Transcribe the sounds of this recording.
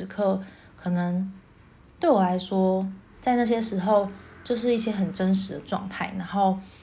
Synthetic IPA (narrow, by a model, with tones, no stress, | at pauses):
ɻ̩˧˥kʰɤ˥˩ | kʰɤ˨˩nə˧˦ŋ | t̪we˥˩ɪwɔ˨˩la˧˥ɪʂwɔ˥ | t͡sa˥˧ɪna˥˧ɕ̬jɛ˦ʂɻ̩˧˥xo˥˨˧ʊt͡ɕjo˥˧ʊʂ̬ɻ̩˥˧i˥˩ɕjɛ˦˥ɦə˨˩nʈ͡ʂə˦nʂɻ̩˨˥d̪ə˨ʈ͡ʂwɑ̰˥˧ŋt̪ʰa˥˩ɪna˧˥ŋxo˥˩ʊ